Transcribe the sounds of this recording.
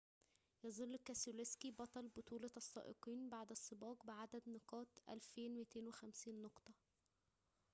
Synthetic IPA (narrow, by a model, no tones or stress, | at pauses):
jɑzˤɑlːkːæsoleskibɑt̪ˤɑlbot̪ˤuːlɑɑsˤːɑ̰ːʔḛqiːnbaʕd̪æsˤːɨbɑːqbeʕad̪æd̪nɑqɑːt̪ʔæ̰lfeːnwet̪eːnwexæmsiːnːoqt̪ˤɑ